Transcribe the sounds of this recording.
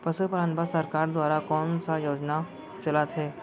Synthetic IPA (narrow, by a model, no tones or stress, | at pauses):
pɐsəpəɾaːnbasɐɾkaːɾd̪waːɾakɔːnsajoːd͡ʒna | t͡ʃɐlat̪ʰɦɛː